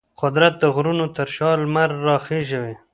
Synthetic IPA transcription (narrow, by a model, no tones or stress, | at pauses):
qʊd̪ɾat̪̚d̪əɣɾunot̪əɾʃɑlmaɾːɑxeʒawe